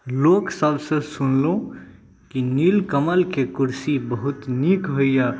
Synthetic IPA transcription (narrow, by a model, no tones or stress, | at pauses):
loksəbsə̃sunlõ | kinilkəməlkekuɾsibəɦut̪nikɦoija